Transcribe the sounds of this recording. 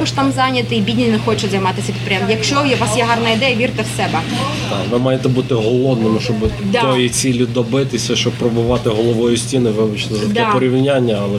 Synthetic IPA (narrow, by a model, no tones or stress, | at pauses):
ɔʃt̪ɑmzɑnʲɐt̪ɪibʲidʲnʲinɛxɔt͡ʃɛzɐjmɑt̪ɪsʲɐpʲid̪pɾʲjɛmjɐkʃt͡ʃɔjɛʋɑsjɛɦɑrnɐid̪ɛjɐʋʲirt̪ɛwsɛbɛ | d̪ɑʋɪmɑjet̪ɛbut̪ɪɦɔlˠɔd̪nɪmɪʃt͡ʃɔbt̪ɔjit͡sʲilʲid̪ɔbɪt̪ɪsʲɐʃt͡ʃɔppɾɔbʊʋɑt̪ɪɦɔlˠɔʋɔjʊsʲtʲinɪʋɪʋɪt͡ʃnɔzɐt̪ɛpɔɾʲiʋnʲanʲːɐɐlˠɛ